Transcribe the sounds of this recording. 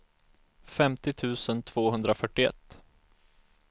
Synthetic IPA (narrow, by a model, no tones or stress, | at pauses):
fɛmt̪ɪt̪ʰʉ̟ːsənt̪ʰv̥oːɦɵnd̪ɾafœʈːɪɛ̰t̪ː